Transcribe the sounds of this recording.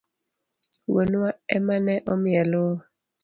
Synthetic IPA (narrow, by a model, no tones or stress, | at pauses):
wonuwaɛmanɛʔomijɛlo